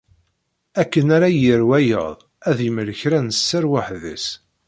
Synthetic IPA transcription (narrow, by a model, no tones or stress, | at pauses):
ækːənaɾajəɾwæjə̰ðˤ | æðiməɾəçɾænəsːəɾwaħðə̰s